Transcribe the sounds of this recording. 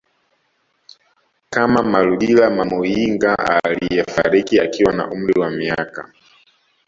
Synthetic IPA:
kamamaluɗilamamujiŋɡaa̰lijɛfa̰ɾikiakiwana̰ʔum̩ɾiwamiaka̰

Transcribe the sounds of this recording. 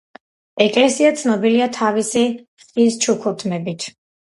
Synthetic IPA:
ɛkʼlɛsiat̪sʰnɔbiliat̪ʰavisi | χʼist͡ʃʰukʰut̪ʰmɛbit̪ʰ

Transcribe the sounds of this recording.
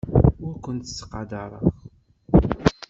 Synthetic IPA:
ʊɾkʷːənt̪sːə̥qɑd̪ɑɾˤə̰ʁ

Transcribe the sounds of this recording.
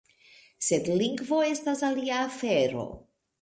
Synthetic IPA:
se̞dliŋɡvo̞e̞stasaliaːfe̞ɾo̞̰

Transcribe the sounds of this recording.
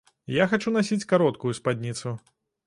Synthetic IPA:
jaxat͡ʂunasʲit͡sʲkaɾɔt̪kujuspad̪ʲnʲit̪su

